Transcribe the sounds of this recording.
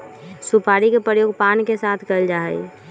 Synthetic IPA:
supaːɾikepɾəjoːɡ̚pankesaːt̪ʰkəld͡ʒaːɦɛ̰i

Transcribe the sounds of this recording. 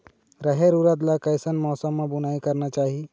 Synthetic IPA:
ɾəɦeɾuɾət̪lakəɪsənmɔːsəmːẽbʊnaːikəɾnat͡ʃaːɦi

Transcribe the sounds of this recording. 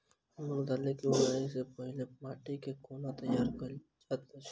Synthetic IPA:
məld̪alẽkiunaisepəɦilemaʈikekonat̪əjːaɾkəlt͡ʃat̪ə

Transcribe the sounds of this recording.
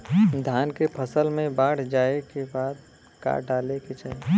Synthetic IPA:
d̪ʱaːnkepʰəsəlmẽbaːɽ̤d͡ʒaekebaːd̪̚ | ka̰ɖaleket͡ʃʰaːe

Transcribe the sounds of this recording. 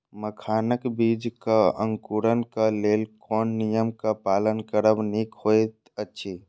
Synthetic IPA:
məkʰaːnəkbiːd͡ʒkaə̃ŋkuɾənkaleːlkɔːnːijəmkapaːlənkəɾəbniːkhoːet̪ | ətːʃʰi

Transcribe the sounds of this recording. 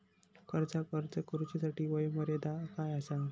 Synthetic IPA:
kəɾd͡zakəɾt͡səkəɾut͡ɕasaʈiːʋəjməɾed̪akajəsa

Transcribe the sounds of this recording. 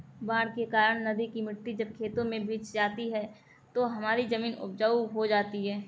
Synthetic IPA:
bãːɽkekaːɾəɳ̃nɐd̪ikimɪɾt̪id͡ʒɐb̚kʰeːt̪õmẽbʱiːt͡ʃd͡ʒaːt̪iɦɛː | t̪oɦɐmaːɾizɐmiːnʊ̰bd͡ʒaːuɦod͡ʒaːt̪iɦɛː

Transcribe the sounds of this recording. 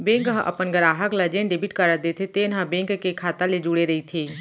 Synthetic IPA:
bẽːŋkɦə̃ʔɐ̰pənɡəɾaːɦəklɐd͡ʒeːnɖebɪʈkəɾəd̪et̪ʰet̪eːnãbẽːŋkkekʰaːt̪aled͡ʒuːɽeɾɐit̪ʰeː

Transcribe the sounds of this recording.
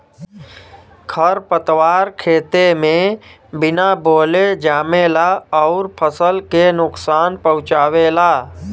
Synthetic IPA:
kʰəɾpət̪waːɾkʰeːt̪emẽ | bɪnaboːled͡ʒaːmelaɔːɾpʰəsəlkenʊksaːnpəɦʊ̃t͡ʃaːwelaː

